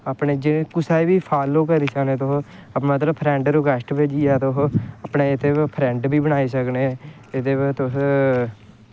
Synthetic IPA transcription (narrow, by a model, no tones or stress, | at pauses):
aːpɳeːd͡ʒɪẽːkʊsaːibiːpʰaːloːkəɾiːsəkneːt̪ʊɦ | mət̪̬ləpʰɾɛ̃ːɳɖɾoːkəʃʈbeːd͡ʒijaːt̪ʊɦəpneːɪt̪eːpʰɾɛ̃ːɳɖbiːbənaːiːsəkneː | ɪt̪eːʋt̪ʊs